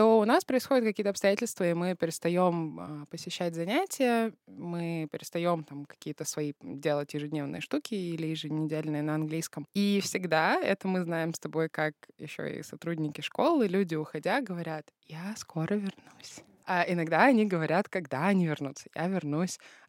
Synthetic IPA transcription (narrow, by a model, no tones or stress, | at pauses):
t̪o̞ʊnaspɾəɪsxo̞dʲɪt̪̚kɐkʲijət̪əɐpst̪ɐjætʲɪlʲst̪vəimɨpʲɪɾʲɪst̪ɐjo̞məpəsʲɪɕːætʲzɐnʲætʲɪjəmɨpʲɪɾʲɪst̪ɐjo̞mt̪amkɐ̥kʲijət̪əsvɐidʲe̞lˠətʲjɪʐɨdʲnʲe̞vnɨ̰jəʂt̪ukʲɪilʲɪjɪʐɨnʲɪdʲelʲnɨjənəɐnɡlʲijskəmifsʲɪɡd̪aɛ̰t̪əmɨznajɪmst̪ɐbo̞jkakjɪ̰ɕːo̰ɪ̰sɐt̪ɾudʲnʲɪkʲɪʂko̞lˠɨlʲudʲɪʊxɐdʲaɡəvɐɾʲat̪jaskʰo̞ɾəvʲɪrnusʲ | aɪnɐɡd̪aɐnʲiɡəvɐɾʲat̪kɐɡd̪aɐnʲivʲɪrnut̪sːə̥ja̰vʲɪrnusʲ